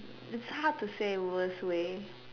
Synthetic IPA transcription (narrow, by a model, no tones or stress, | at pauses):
ɨtshatʰɨseɪwˠɪswe